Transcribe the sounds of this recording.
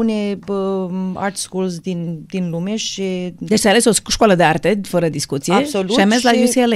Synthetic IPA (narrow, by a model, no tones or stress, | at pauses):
uneəa̰rt̪skulsd̪ind̪inlumeʃid̪et͡ʃt̪ealesoʃkwaləd̪eart̪e̞fəɾəd̪iskut̪siesolʃiames̬lajusiele